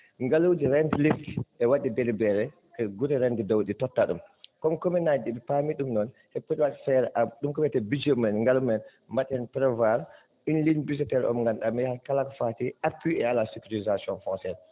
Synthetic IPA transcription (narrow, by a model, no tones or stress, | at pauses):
ŋɡalowdiɾɛntlistʔɛwaɗidelibɛɾɛ | kɛɡuɾɛɾɛntɛdawditɔtːaɗumkɔmkominajdɛbɛpamiɗumnɔn | hɛpːɔtwaɗifɛɾɛʔaɗumkɔmɛtɛbid͡ʒomɛnŋɡalumɛn | mbatːɛnpɾɛvaɾ | inlinbisitɛɾɔ̰mŋɡanɗamɛhakalakɔfatiʔapːiɛalasikuɾizasiɔnfɔnsɛn